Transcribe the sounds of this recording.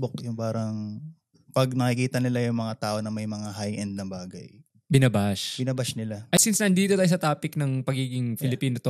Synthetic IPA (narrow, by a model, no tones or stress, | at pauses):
bok̚jʊŋpaːɾɐŋ | pɐɡnɐkikiːt̪ɐnɪlajʊŋmɐŋat̪aːʔo̞nɐmɐjmɐŋaɦajʔɛnd̪̚nɐbaːɡɐ̰j | bɪnɐbaʃbɪnɐbaʃnɪlaʔɐjsinsnɐʔːnd̪iːt̪oaːjsɐt̪aːpɪk̚nɐŋpɐɡiːɡɪŋfɪlɪpiːnot̪o